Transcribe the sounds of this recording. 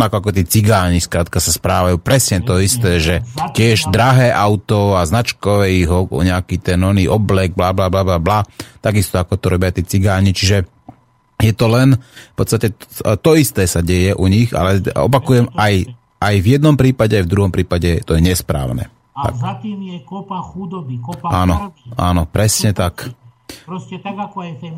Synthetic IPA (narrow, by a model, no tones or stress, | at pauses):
nakɔakɔt̪iːt͡siɡaːɲiskɾaːt̪kasaspɾaːʋajuːpɾɛsɲɛt̪ɔist̪ɛːʒɛcɪɛʒd̪ɾaɦɛːʔaʊt̪ɔaznat͡ʃkɔʋɛiɣɔ̰ɲɛakiːt̪ɛnɔniːʔɔblɛɡ̚blablablablablat̪aɡist̪ɔakɔt̪ɔɾɔbɪat̪ɪɛːt͡siɡaːɲit͡ʃiʒɛ | jɛt̪ɔlɛnfpɔt͡st̪acɛt̪ɔist̪ɛːsaɟɛjɛʔuɲiɣa̰lɛɔ̰pakujɛmaj | ʔajvjɛd̪nɔmpɾiːpaɟɛajvd̪ɾuɦɔmpɾiːpaɟɛt̪ɔjɛɲɛspɾa̰ːʊnɛ̰ | a̰kat̪iːmjɛkɔpaxud̪ɔbikpaːnɔaːnɔpɾɛsɲɛt̪akpɾɔsɛt̪aɡakɔɛt̪ɛ